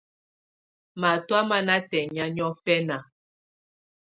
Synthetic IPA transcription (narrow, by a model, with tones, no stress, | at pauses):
ma˨twa˦ma˦na˦tɛ˨ɲa˦ɲɔ˦fɛ˦na˨